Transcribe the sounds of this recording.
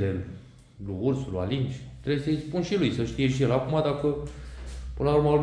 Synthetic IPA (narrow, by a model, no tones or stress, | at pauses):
el | luursulua̰lint͡ʃʲt̪ɾebjesəjspunʃilujsəʃt̪ije̞ʃijelakumad̪akə | pɨnəlauɾrmal